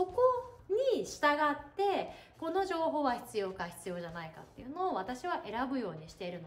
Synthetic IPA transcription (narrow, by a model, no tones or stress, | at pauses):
oko̞ɲ̟iɕi̥t̪aɡat̪ːe̞ko̞no̞ʑo̞ːɦo̞ːβaçi̥t͡sɨjo̞ːkaçi̥t͡sɨjo̞ʑanaika̰t̪ːe̞̰jɯ̟no̞ːβat̪aɕiβ̞aʔe̞ɾabɯ̟jo̞ːɲ̟iɕi̥t̪e̞iɾɯ̟no